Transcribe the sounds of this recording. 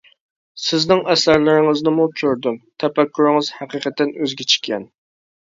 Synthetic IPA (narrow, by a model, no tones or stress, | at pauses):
sɪznɪŋʔɛsæɾlɪɾɪŋɪznɪmut͡ʃʰøɾd̪ymt̪ʰɛpɛkʲːyɾɪŋɨz̥hæqiqʰət̪ːɪnøzɡʲɛt͡ʃʰɪ̥kʲʰːɛ̰n